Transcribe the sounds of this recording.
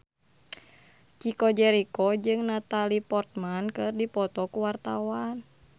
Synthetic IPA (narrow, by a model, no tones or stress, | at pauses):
t͡ʃikɔd͡ʒɛɾikɔd͡ʒɨŋnat̪alipɔrt̪̚mankɨrdipɔt̪ɔkuwart̪awan